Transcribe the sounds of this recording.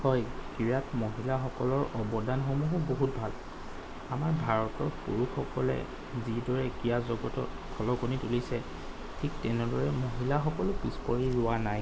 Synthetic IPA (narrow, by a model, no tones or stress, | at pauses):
hɔjkiɹatmoɦilaxɔkɔlɔɹɔbɔdanxomuɦʊboɦut̚bʱal | amaɹbʱaɹɔtɔɹpṵɹuxɔkɔlɛ̰ | zidɔɹɛkijazɔɡɔtɔ̰t | kʰɔlɔɡonitulisɛ | tʰik̚tɛnɛdɔɹɛmoɦilaxɔkɔlʊpispɔɹiɹʊwanaj